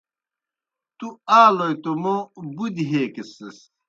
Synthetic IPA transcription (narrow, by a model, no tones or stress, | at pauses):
t̪uaːlojt̪omobud̪iɦeːkeses